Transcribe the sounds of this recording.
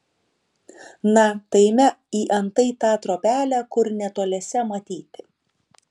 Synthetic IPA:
nɐt̪ɐɪmʲɛiːʔɐnt̪ɐɪt̪ɑːt̪ɾoːpʲæːlʲæːkʊɾnʲɛt̪oːlʲɛsʲɛmɐt̪ʲiːt̪ʲɪ

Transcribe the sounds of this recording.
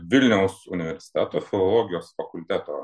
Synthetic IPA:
ʋʲɪlʲnʲɛʊsʊnʲɪʋʲɛɾʲsʲɪ̥t̪ʲæt̪oːfʲɪlˠɔlˠɔːɡʲɪjoːsfɐkʊlʲt̪ʲæt̪oː

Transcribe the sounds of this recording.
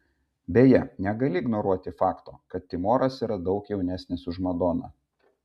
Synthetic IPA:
bʲeːjɛnʲɛɡɐlʲɪːɡnɔɾuɔt̪ʲɪfɑːkt̪oːkɐt̪̚ʲt̪ʲɪmoːɾɐsiːɾɐd̪ɒʊkjɛʊnʲæːsʲnʲɪsʊʒmɐd̪oːnɐ̰

